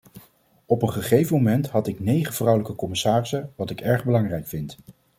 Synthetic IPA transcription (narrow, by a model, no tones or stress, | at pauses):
ɔpənχəχejvəmomɛntɦɑtɪknejχəv̥rʌwləkəkɔmɪsaːrɪsəʋɑtɪkɛɹχbəlɑŋrɛjkfɪnt